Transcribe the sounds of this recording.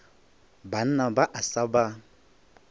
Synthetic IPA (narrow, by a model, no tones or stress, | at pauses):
ban̩abaʔasaba